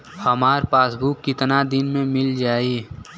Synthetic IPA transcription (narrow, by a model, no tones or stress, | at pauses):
həmaːɾpaːsbʱukːɪt̪nad̪ɪnmẽmɪld͡ʒaːi